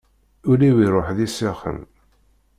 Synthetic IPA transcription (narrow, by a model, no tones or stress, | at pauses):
ʊliwiɾˤoħðisiχə̰n